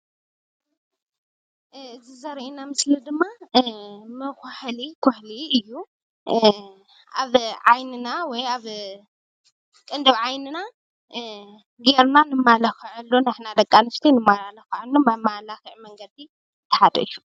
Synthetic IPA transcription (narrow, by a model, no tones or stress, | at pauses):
ɨzizɐɾʔinamɨslid̪ɨmːa | mɨxħlikʰoħliɨjːu | ʔaβʕajnɨnawɔjaβ | kʼɨnd̪ɨβʕajnɨna | ɡeɾnanɨmalɐxɨʕɨlːonɨħnad̪ɐkʼːanɨst̪ʰinɨmːaɾalɐxʕanːumɐmalaxiʕmɐŋɡɐd̪i | t̪ʰːɐ̥ħad̪ɐ̰ɨjːu